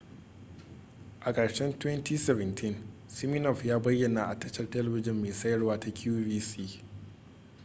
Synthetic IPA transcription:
ʔa˨kʼɐ˨ɽʃɛ˦ntwɛ˦nti˦sɛ˦vɛ˨ntʰɪ˦nsɪ˦mi˦nɔ˨ɸjaː˦bɐ˦jːɐ˨na˦˨ʔa˨tɐ˦t͡ʃɐ˦rtɐ˦lɐ˨bɪ˦d͡ʒɪ˦˨mːeː˨sɐ˦jɐ˦rwaː˦ta˦kʲjuː˦viː˦siː˦

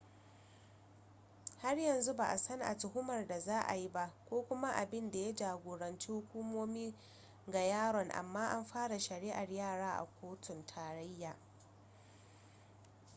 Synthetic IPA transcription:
ha˦rjɐ˨nzu˦ba˨ʔa˨sɐ˦nʔa̰˨tʊ˨hʊ˦mɐ˨rda˨zaː˦ʔa̰˨ji˦ba˦ʔkʷoː˦kʷʊ˦ma˦ʔa˨bɪ˦nda˨ja˦d͡ʒaː˨ɡʷoː˨ɽɐ˨nt͡ʃi˦hʊ˦kʷuː˦moː˦miː˦ | ɡa˨jaː˦ɽɔ˨ŋʔa̰˨mːaː˦ʔa˦mɸaː˦ɽa˨ʃɐ˨ɽiː˦ʔa˨rjaː˦˨ɽaː˦ʔa̰˨kʷoː˦tʰʊ˨ntʰaː˨ɾa˦jːaː˨

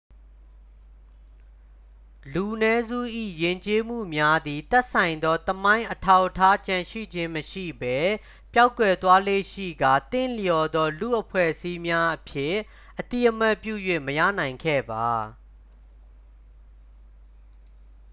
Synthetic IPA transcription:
lu˨ʔənɛ˦zṵ˦˨ʔḭ˦˨jɪ̃˨ɲt͡ɕe˦m̥ṵ˦˨mja˦d̪i˨t̪ɛ˦ʔsã˨ɪ̃nd̪ɔ˦t̪əmã˦ɪ̃ʔətʰa˦˨ʊʔtʰːa˦t͡ɕã˨ʃḭ˦˨d͡ʑɪ̃˦məʃḭ˦˨bɛ˦ | pja˦ʊkːwɛ˨t̪wa˦lḛ˦˨ʃḭ˦˨ɡa˨t̪ɪ̃˦˨ljɔ˨d̪ɔ˦lṵ˦˨ʔəpʰwɛ̰˦˨ʔəsi˦mja˦ʔəpʰjɪ˦˨ | ʔət̪i˦˨ʔəm̥a˦˨pjṵ˦˨jwe˦˨məjä̰˦˨nã˨ɪ̃ŋkʰɛ̰˦˨ba˨

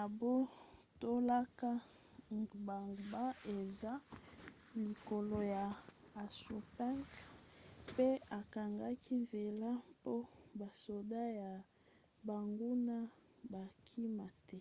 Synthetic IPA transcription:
na˨bo˦ | to˦la˦ka˦ | ba˨ŋɡba˦e˨za˦ | li˨ko˨lo˨ja˨ | a˨su˨pɛ˦ŋk | pe˦a˨ka˨ŋɡa˦ki˦ve˨la˦po˦ba˨so˨da˦ja˨ | ba˨ŋɡu˦na˦ | ba˨kʰi˦ma˨tɛ˦

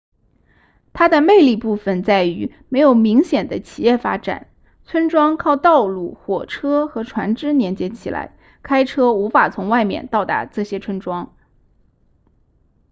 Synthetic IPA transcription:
t̪ʰa˥d̪ə˨me˥˧ɪli˥˧pu˥˩fə˨˩nt͡sa˥˩ɪy˧˥ | me˧˥ɪjo˨˩ʊmi˧˥ŋɕjɛ˨˩nd̪ə˦t͡ɕʰi˨˩jɛ˥˩fa̰˥ʈ͡ʂa̰˨˩˦n | t͡sʰwə˥nʈ͡ʂwɑ˥ŋkʰɑ˥˧ʊt̪ɑ˥˧ʊlu˥˩xwɔ̰˨˩ʈ͡ʂʰɤ˥xɤ˧˥ʈ͡ʂʰwa˧˥nʈ͡ʂɻ̩˥njɛ˧˥nt͡ɕjɛ˧˥t͡ɕʰi˨˩la̰˧˥ɪ | kʰa˥ɪʈ͡ʂʰɤ˥u˧˥fa˨˩t͡sʰʊ˧˥ŋwa˥˩ɪmjɛ̰˨˩nt̪ɑ˥˩ʊt̪a̰˧˥ʈ͡ʂɤ˥˩ɕjɛ˥ʈ͡ʂʰwə˥nʈ͡ʂwɑ˥ŋ

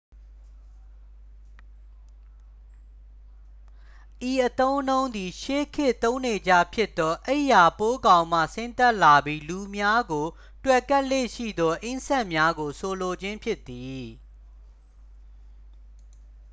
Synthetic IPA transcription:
ʔi˨ʔət̪õ˦ʊ̃nõ˦ʊ̃nd̪i˨ʃe˦kʰɪ˦˨ʔt̪õ˦ʊ̃ne˨d͡ʑa̰˦˨pʰjɪ˦ʔt̪ːɔ˦ʔe˦˨ʔja˨po˦ɡã˨ʊ̃m̥ä̰˦˨sɪ̃˦nt̪a˦ʔla˨bji˦lu˨mja˦ɡo˨ | twɛ˦˨ka˦ʔlḛ˦˨ʃḭ˦˨d̪ɔ˦ʔẽ˦sɛ˦ʔmja˦ɡo˨sʰo˨lo˨d͡ʑɪ̃˦mpʰjɪ˦t̪ːi˨

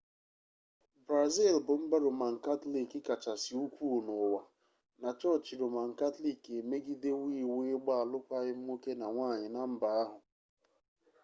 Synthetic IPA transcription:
bɾa˨zi˦˨lbʊ˨m̩˦ba˦ɾʊ˨ma˨ŋ̩˨ka˦tli˦kɪ˦ka˨t͡ʃa˨sɪ˨u˦kʷu˦˨nʊ˨wa˨ | na˨t͡ʃɔ˦t͡ʃɪ˨ɾʊ˨ma˨ŋ̩˨ka˦tli˦˨ke˨me˦ɡi˦de˦wiː˦˨we˦ɪ˦ɡ͡ba˦a˨lʊ˦kʷa˦ɣɪ˦m̩˦o˦ke˦na˨ŋʷaː˦˨ɲɪ˨na˨m̩˦ba˨˦a˦ɦʊ˨

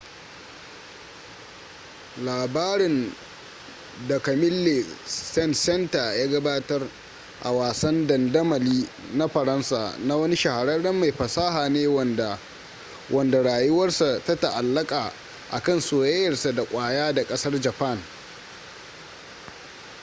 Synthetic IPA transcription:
laː˨baː˦ɾɪ˨n | dɐ˨kɐ˨mɪ˦lːe˨sɛ˦˨nsɛ˦nta˨jaː˦ɡɐ˦baː˦tɐ˦r | ʔa̰˨waː˨sɐ˦ndɐ˨ndɐ˦mɐ˨liː˦na˦ɸɐ˨ɾɐ˦nsa̰ː˨na˦wɐ˦ni˦ʃɐ˨ha˨ɾɐ˦dɐ˦mːa˨jɸɐ˨saː˦ɦaː˨neː˦w | wʔɐ˨nda˨ɽaː˨jʊ˦wɐ˦rsa˨ta˦ta˨ʔa˨lːɐ˦kʼaː˨ | ʔa̰˨kɐ˦˨nsoː˨jɐ˦jɐ˨rsa˨da˨kʷʼaː˨jaː˦da˨kʼɐ˦sɐ˦rd͡ʒɐ˨pɐ˦˨n

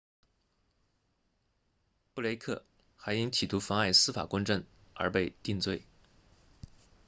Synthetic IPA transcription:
pu˥˩le˧˥ɪkʰɤ̰˥˩ | xa˧˥ɪi˥ŋt̪ʰi˨˩t̪ʰu˧˥fɑ˥ŋa˥˩ɪsɹ̩˥fa̰˨˩kʊ˥ŋʈ͡ʂə˥˩ŋə̰˞˧˥pe˥˧ɪt̪i˥˧ŋt͡swe˥˩ɪ

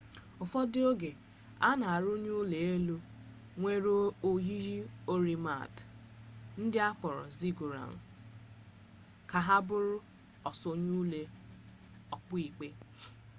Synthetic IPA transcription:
ʊ˨fɔ˦dɪ˦o˦ɡe˨ | a˦na˨a˨ɾo˦ɲu˦le˨e˦lu˦ | ŋʷe˦ɾo˦o˨ɦi˦ɦi˦o˦ɾi˨ma̰˦˨t | n̩˦dɪ˦a˦k͡pɔ˨ɾɔ̰˨zi˦ɡu˨ɾa̰˨n˨s | ka˨ɦa˦bʊ˦ɾʊ˦ | ɔ˨so˦ɲu˦le˦ | ɔ˨k͡pʊ˦i˨k͡pe˦

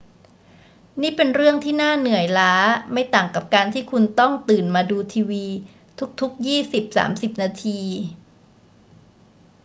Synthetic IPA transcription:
niː˥˩pe˧nɾɯ˥˩əŋt̪ʰiː˥˩naː˥˩nɯ˨˩əjlaː˦˥ma˥˩jt̪aː˨˩ŋka˨˩p̚kaː˧nt̪ʰiː˥˩kʰu˧nt̪ɔ˥˩ŋt̪ɯː˨˩nmaː˧duː˧t̪ʰiː˧wiː˧ | t̪ʰu˦˥k̚t̪ʰu˦˥k̚jiː˥˩si˨˩p̚sa̰ː˩˦msi˨˩p̚naː˧t̪ʰiː˧

